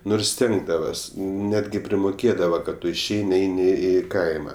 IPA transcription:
ˈnʊrs ˈsʲtʲɛŋɡdɐʋɐs ˈnʲæːdʲɡʲɪ pʲrʲɪmʊˈkʲeːdɐʋɐ kɐt ˈtʊ ɪʃʲˈɛɪnʲɪ ˈɛɪnʲɪ ˈiː ˈkɐɪmɐ

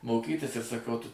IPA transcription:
moːˈkʲiːtʲɪs ɪr sɐˈkɐʊ ˈtʊ

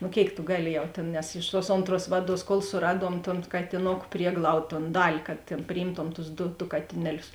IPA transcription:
nʊ ˈkʲeːɪk tʊ ˈɡɑːˌlʲɪ ˈjɛʊ tʲeːn nʲɛs ɪʃ tuɔs ˈoːnˌtruɔs ˈʋɑːˌduɔs koːlˠ sʊˈrɑːˌduɔm toːn kɐtʲɪˈnoːkʊ ˈpʲrʲiɛɡlˠɐʊt toːn ˈdɑːlʲɪ kɐt tʲeːn pʲrʲɪˈjiːmtoːm tʊs ˈdʊ dʊ ˈkɑːtʲɪnʲɛˌlʲʊs

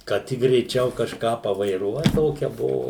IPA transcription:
kɐt ˈtʲɪk ɡrʲɛɪˈt͡ʃʲɛʊ kɐʃˈkɑː pɐʋɐɪˈruɔt ˈtoːkʲɛ ˈbʊʋʊ

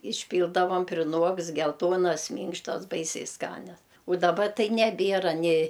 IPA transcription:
ɪʃʲˈpʲiːlˠdɐʋɐm pʲrʲɪˈnuɔkst ɡʲɛlˠˈtuɔnɐs ˈmʲiːŋkʃtɐs ˈbɐɪsʲɛɪ ˈskɑːnʲɛs ʊ ˈdɑːbɐ ˈtɐɪ nʲɛˈbʲeːrɐ nʲɪ

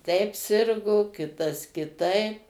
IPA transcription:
tʲɛɪp ˈsʲɪrɡoː ˈkʲɪtɐs kʲɪˈtɐɪp

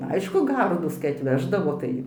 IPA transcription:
ˈɐɪʃkʊ ˈɡɐrduːs kɐɪ ɐtʲˈʋʲæːʒdɐʋoː ˈtɐɪ

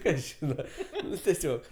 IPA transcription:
ˈkɐs ˈʒʲiːnɐ ˈnʊ tʲɛˈsʲoːk

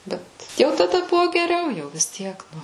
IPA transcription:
ˈbʲɛt jɛʊ tɐˈdɐ ˈbʊʋoː ɡʲɛˈrʲɛʊ jɛʊ ʋʲɪs ˈtʲiɛk ˈnʊ

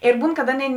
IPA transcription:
ɪr ˈbuːn kɐt ˈɑːˌnʲeːɪ

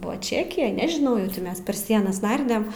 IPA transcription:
ˈbʊʋɐ ˈt͡ʃʲæːkʲɪjɛj nʲɛʒʲɪˈnɐʊ jɛʊ ˈtʲɪ mʲɛs pʲɛr ˈsʲiɛnɐs ˈnɐrʲdʲɛm

